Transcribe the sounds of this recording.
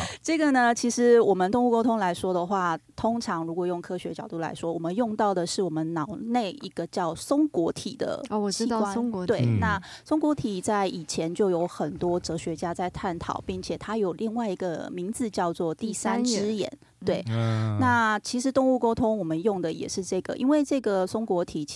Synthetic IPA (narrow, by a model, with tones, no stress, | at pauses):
ʈ͡ʂɤ˥˩ɡə˩nə˩t͡ɕʰi˧˥ʂɻ̩˧˥wɔ˨˩mə˨nt̪ʊ˥˧ŋu˥˧ko˥ʊt̪ʰʊ˥ŋla˧˥ɪʂwɔ˥d̪ə˨xwa˥˩t̪ʰʊ˥ŋʈ͡ʂʰɑ˧˥ŋɻu˧˥kwɔ˨˩jʊ˥˩ŋkʰɤ˥ɕɥɛ˧˥t͡ɕjɑ˨˩ʊt̪u˥˩la̰˧˥ɪʂwɔ˥wɔ˨˩mə˦njʊ˥˧ŋt̪ɑ˥˩ʊd̪ə˩ʂɻ̩˥˩wɔ˨˩mə˦nnɑ˨˩ʊne˥˩ɪi˧˥ɡ̥ə˧t͡ɕjɑ˥˩ʊsʊ˥ŋkwɔ˧˥t̪ʰi˨˩d̪ə̰˦˨t͡ɕʰi˥kwa˥nwe˥˩ɪna˥˩sʊ˥ŋkwɔ˧˥t̪ʰi˨˩t͡sa˥˩ɪʔi˨˩t͡ɕʰjɛ˧˦nt͡ɕjo˥˩ʊjo˧˥ʊxə˨˩nt̪wɔ˥ʈ͡ʂɤ˧˥ɕɥɛ˧˥t͡ɕja˥t͡sa˥˧ɪt̪ʰa˥˩nt̪ʰɑ̰˨˩˦ʊpi˥˩ŋt͡ɕʰjɛ˨˩t̪ʰa˥jo˨˩ʊli˥˧ŋwa˥˩ɪi˧˥ɡə˧˨mi˧˥ŋd͡zɹ̩˧t͡ɕjɑ˥˧ʊt͡swɔ˥˧t̪i˥˩sa˥nʈ͡ʂɻ̩˥jɛ̰˧˥˦n | t̪we˥˩ɪna˥˩t͡ɕʰi˧˥ʂɻ̩˧˥t̪ʊ˥˧ŋu˥˧˩ko˥ʊt̪ʰʊ˥ŋwɔ˨˩mə˦njʊ˥˩ŋd̪ə˩jɛ̰˨˩ʂɻ̩˥˧ʈ͡ʂɤ˥˩ɡə̰˩ʔḭ˥nwe˥˧ɪʈ͡ʂɤ˥˩ɡə˩sʊ˥ŋkwɔ˧˥t̪ʰi˨˩